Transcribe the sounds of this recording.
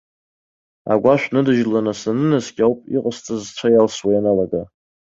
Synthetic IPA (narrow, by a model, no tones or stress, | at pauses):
a̰ɡʷaʃʷᶣnɨdɨʒlanasanɨnasɡʲawpʼḭqʼəst͡sʼɨzt͡ʃʷʰajalswajanalaɡa